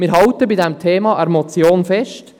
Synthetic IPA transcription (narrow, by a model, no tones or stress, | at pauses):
mɪːɾɦɑwtəbidɛmtʰeːmɑʔɛɾmɔt͡sjoːnfɛʃt